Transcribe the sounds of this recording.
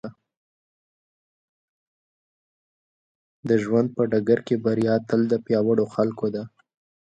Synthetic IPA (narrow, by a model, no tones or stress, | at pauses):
d̪əʒwand̪̚pəɖaɡaɾkebaɾjɑt̪əld̪əpjɑwaɽoxalkod̪a